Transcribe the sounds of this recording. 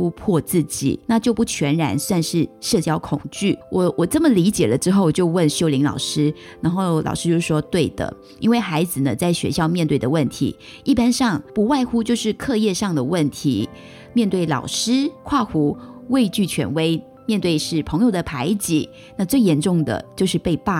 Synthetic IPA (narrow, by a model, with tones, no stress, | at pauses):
u˥pʰwɔ˥˧t͡sɹ̩˥˩t͡ɕḭ˨˩na˥˧t͡ɕjo˥˧ʊpu˥˩t͡ɕʰɥɛ˧˥nɻa̰˧˥nswa˥˧nʂɻ̩˥˩ʂɤ˥˧t͡ɕjɑ˥ʊkʰʊ˨˩ŋt͡ɕy˥˩wɔ˨˦wɔ˨˩t͡sə˥˩mə˨˩li˧˥t͡ɕjɛ̰˨˩lə˦ʈ͡ʂɻ̩˥xo˥˩ʊ˨˩t͡ɕjo˥˧ʊwə˥˩nɕjo˥ʊli˧˥ŋlɑ̰˨˩ʊʂɻ̩˥ | na˧˥nxo˥˩ʊlɑ̰˨˩ʊʂɻ̩˥t͡ɕjo˥˧ʊʂɻ̩˥˩ʂwɔ˥t̪we˥˩ɪd̪ə̰˩ | i˥nwe˥˩ɪxa˧˥ɪd͡zɹ̩˨nə˩t͡sa˥˩ɪɕɥɛ̰˧˥ɕjɑ˥˧ʊmjɛ˥˧nt̪we˥˩ɪd̪ə˩wə˥˩nt̪ʰḭ˧˥ | i˥˩pa˥nʂɑ˥˧ŋpu˧˥wa˥˧ɪxu˥t͡ɕjo˥˧ʊʂɻ̩˥˧kʰɤ˥˧jɛ˥˧ʂɑ˥˩ŋd̪ə˩wə˥˩nt̪ʰḭ˧˥ | mjɛ˥˧nt̪we˥˩ɪlɑ̰˨˩ʊʂɻ̩˥kʰwa˥˩xu˧˥we˥˧ɪt͡ɕy˥˩t͡ɕʰɥɛ̰˧˥nwe˥ɪ | mjɛ˥˧nt̪we˥˧ɪʂɻ̩˥˩pʰɤ˧˥ŋjo˨˩ʊd̪ə˩pʰa˧˥ɪt͡ɕḭ˨˩˦ | na˥˧t͡swe˥˩ɪjɛ˧˥nʈ͡ʂʊ˥˩ŋd̪ə̰˩t͡ɕjo˥˧ʊʂɻ̩˥˧pe˥˧ɪpa˥˩